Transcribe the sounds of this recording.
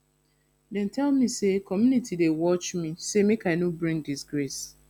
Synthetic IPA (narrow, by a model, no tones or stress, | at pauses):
dɛ̃ntʰɛlmisekɔmjunitʰidewɔt͡ʃmisemekaɪnobɹĩŋdisɡɾes